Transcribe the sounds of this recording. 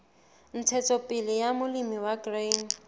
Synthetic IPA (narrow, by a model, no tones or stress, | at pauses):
n̩t͡sʰɛt͡sʰɔpʼɪlɪjamʊlimiwaɡrejn